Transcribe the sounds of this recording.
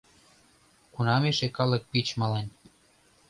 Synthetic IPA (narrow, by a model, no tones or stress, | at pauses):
kunɑmeʃekɑlɤ̆k̚pit͡ɕmɑlɑnʲ